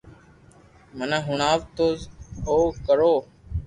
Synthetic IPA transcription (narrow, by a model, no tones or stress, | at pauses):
mənãːɦʊɳaːʋt̪oːzoːkəɾoː